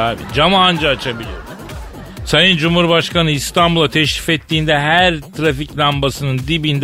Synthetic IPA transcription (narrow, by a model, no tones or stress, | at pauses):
aːbḭd͡ʒamaːnd͡ʒaːt͡ʃʰabilʲijoɾu | sajɯnd͡ʒumhuɾbaʃkanɯist̪ʰanbulˠat̪ʰɛʃɾifɛt̪ʰːiːnd̪ɛɦæɾt̪ʰɾaficlʲambasɯnɯnd̪ibind̪